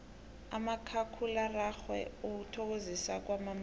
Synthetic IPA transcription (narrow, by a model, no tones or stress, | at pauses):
a̰makʰakʰularaxwɛ̰ok̬utʰɔk̬ozisak̬wamam